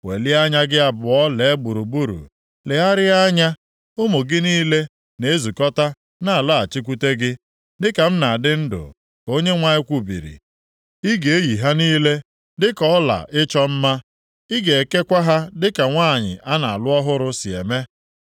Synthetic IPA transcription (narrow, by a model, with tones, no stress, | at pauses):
wḛ˨li˦a˦ɲa˦ɡɪ˦a˦bʊ˨ɔ˦le˨e˦ɡ͡bu˨ɾu˨bu˦ɾṵ˨ | lɪ˨a˦ɾɪ˦a˦ɲa˦ | ʊ˦mo˨ɡɪ˦niː˦le˦ | ne˦e˦zu˨kɔ˦ta˦ | na˦˨la˦˨a˨t͡ʃi˦k̬ʷu˦te˦ɡɪ˦ | dɪ˦ka˨m̩˦na˨dɪ˦n̩˦dʊ̰˨ | ko˦ɲe˦ŋʷa˦ɪ˦kʷu˦bḭ˨ɾḭ˨ | i˦ɡe˨e˦ji˨ɦa˦niː˦le˦ | dɪ˦kɔ˦la̰˨ʔɪ˦t͡ʃɔ˦m̩˦ma˦ | i˦ɡe˨e˨ke˦kʷa˦ɦa˦dɪ˦ka˨ŋʷaː˦˨ɲɪ̰˨ʔa˦na̰˨lʊ˦ɔ˦ɦʊ˦ɾʊ˦sɪ˨ḛ˨me˦